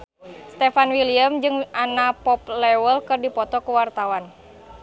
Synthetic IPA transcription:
st̪ɛfanwiliəmd͡ʒɨŋanapɔplɛwəlkɨrdipɔt̪ɔkuwart̪awan

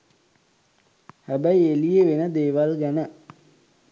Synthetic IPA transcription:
hæbæielijeʋenəd̪eːʋalɡænə

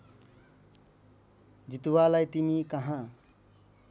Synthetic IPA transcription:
d͡ʒit̪uwalajt̪imikʌɦã

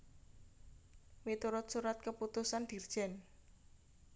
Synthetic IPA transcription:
wit̪uɾʊt̪suɾat̪̚kəput̪usand̪̥i̤rd̥ʒ̥ɛn

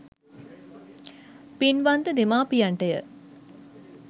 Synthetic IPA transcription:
pinʋand̪əd̪emaːpijaɳʈəjə

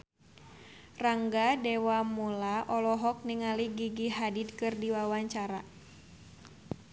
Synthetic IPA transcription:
raŋɡadɛwamulaʔɔlɔɦɔk̚niŋaliɡiɡiɦadid̪̚kɨrdiwawaɲt͡ʃaɾa̰

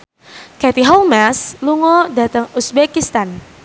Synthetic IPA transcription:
kɛt̪iɦɔlmɛsluŋɔdat̪əŋusbɛkist̪an

